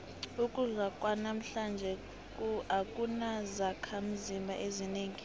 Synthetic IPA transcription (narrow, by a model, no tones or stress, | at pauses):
ukʼuzwakʼwanam̩ɬand͡ʒʱɛ | kʼuakʼunazakʰam̩zimbʱaʔezineːŋi